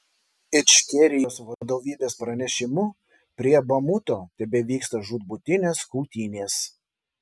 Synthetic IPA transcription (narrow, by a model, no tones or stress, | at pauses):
ɪt͡ʃʲkʲɛɾʲɪjoːsʋɐd̪oːʋʲiːbʲeːspɾɐnʲɛʃʲɪmʊ | pʲɾʲiɛbɐmut̪oːt̪ʲɛbʲɛʋʲiːkst̪ɐʒuːd̪̚bʊt̪ʲɪnʲeːskuʊt̪ʲiːnʲeːs